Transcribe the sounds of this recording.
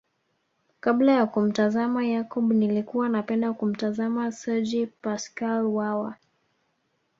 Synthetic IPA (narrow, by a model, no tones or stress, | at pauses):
kablajakum̩tazamajakɔbnilikuwanapɛndakum̩tazamasɛd͡ʒipaskalwawa